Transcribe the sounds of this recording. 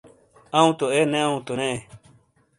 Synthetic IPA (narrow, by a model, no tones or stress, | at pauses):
ãũt̪oenẽãũt̪onẽe